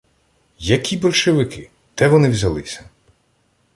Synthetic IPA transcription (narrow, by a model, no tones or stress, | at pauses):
jɐkʲʰibɔlʲʃeʋɪkɪ | t̪ɛʋɔnɪwʲzɐlˠɪsʲɐ̥